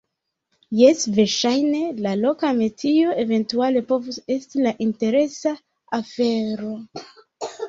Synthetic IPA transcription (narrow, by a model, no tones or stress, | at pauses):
jesveɾʃajne̞lalo̞kametʰio̞e̞ve̞ntuale̞po̞vuse̞stilaʔinte̞ɾe̞sa | afe̞ɾo̞